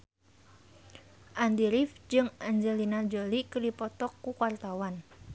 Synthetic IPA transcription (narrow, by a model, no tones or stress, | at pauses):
ʔand̪iɾifd͡ʒɨŋʔaɲd͡ʒəlinad͡ʒolikərdipɔt̪ɔkːukwart̪awan